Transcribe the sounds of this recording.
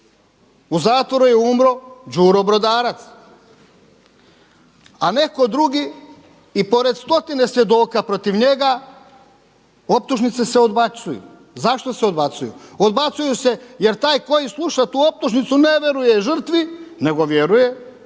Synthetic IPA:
uzaːt̪ʋo̞ɾujeumɾo̞d͡ʒuːɾobɾo̞d̪aːɾat̪s | ane̞ko̞d̪ɾuɡiː | po̞ɾe̞d̪st̪o̞t̪ine̞sʋje̞d̪o̞ːkapɾo̞t̪iʋɲeɡa | op̚t̪uʒnit̪seseo̞d̪bat̪sujṵ | zaʃt̪o̞seo̞d̪bat̪sujṵod̪bat̪sujuse̞je̞ɾt̪aːjkojislˠuʃat̪uːo̞p̚t̪uʒnit̪suneʋjeɾujeʒr̩t̪ʋine̞ɡo̞ʋjeɾuje̞

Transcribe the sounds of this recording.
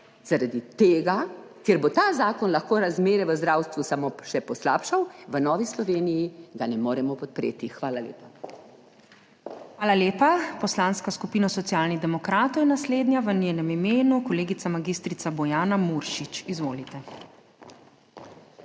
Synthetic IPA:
zaɾad̪it̪eːɡa | kjeɾbot̪aːzaːkɔnlaxkoːɾazmeːɾɛʋəzd̪ɾawst̪ʋusamoʃɛpɔslaːpʃawʋənɔːʋislɔʋeːnijiɡanɛmoːɾɛmɔpɔt̪̚pɾḛːt̪ixʋaːlalʲḛːpa | xʋaːlaleːpapɔslaːnskaskupiːnasɔt̪sijaːlniɣd̪ɛmɔkɾaːt̪ɔwjɛnasleːd̪njaʋənjeːnɛmimeːnukɔleːɡit̪samaɡist̪ɾit̪abɔjaːnamuɾʃit͡ʃizʋoːlit̪ɛ

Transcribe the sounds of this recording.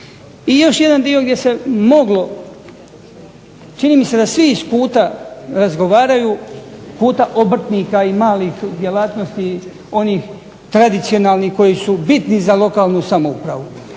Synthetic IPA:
ijo̞ʃje̞d̪and̪io̞ɡd̪je̞se̞mo̞ɡlo̞ | t͡ʃiniːmise̞d̪asʋiːskuːt̪aɾazɡo̞ʋaːɾajuːkuːt̪aʔobr̩t̪niːkaimaːlixd̪je̞lˠaːt̪no̞st̪i | o̞niːx | t̪ɾad̪it̪sijo̞naːlˠnihko̞jisubit̪nizalo̞kaːlˠnusamoṵpɾaʋu

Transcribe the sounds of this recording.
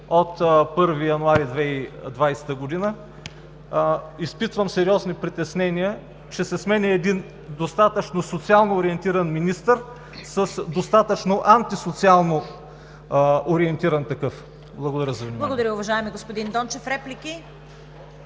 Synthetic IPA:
ot̪pɤɾvijɐnʊaɾid̪vɛid̪vajsɛ̥t̪əɡod̪inə | ispit̪vəmsɛɾiɔznipɾit̪ɛsnɛniə | t͡ʃɛsɛsmɛnʲɛːd̪in | d̪ost̪at̪ət͡ʃnosot̪sialˠnoːɾiɛnt̪iɾɐnminist̪əɾ | səsd̪ost̪at̪ət͡ʃnoʔant̪isot̪sialˠno | oɾiɛnt̪iɾɐnt̪ɐkɤf | blˠɐɡod̪ɐɾəzɐvnimblˠɐɡod̪ɐɾʲəʊvɐʒaɛmiɡospod̪ind̪ɔnt͡ʃɛfɾɛplikʲi

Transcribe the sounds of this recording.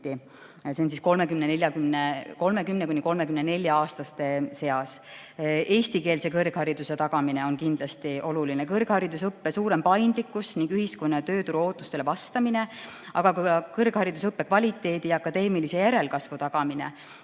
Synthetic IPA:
i | se̞onsisko̞lme̞kymnene̞lʲjɑkymneko̞lme̞kymne̞kuniko̞lme̞kymnene̞lʲjɑɑːst̪ɑst̪e̞se̞ɑs | e̞ːst̪ike̞ːlse̞kɤrɡ̥hɑɾid̪̥use̞t̪ɑɡ̥ɑmine̞o̞nkind̪lɑst̪iʔo̞lulinekɤrɡ̥hɑɾid̪usɤpːe̞suːɾe̞mpɑjnd̪likːˑusniŋɡ̥yhisko̞nːɑt̪ø̞ːt̪uɾuo̞ːt̪ːˑust̪e̞levɑst̪ɑmine̞ | ʔɑɡ̥ɑkukɤrɡ̥hɑɾid̪usɤpːe̞kvɑlʲit̪ːˑe̞ːd̪̥iɑkːˑɑd̪̥e̞ːmilise̞jæɾe̞lkɑsvut̪ɑɡ̥ɑmine̞̰

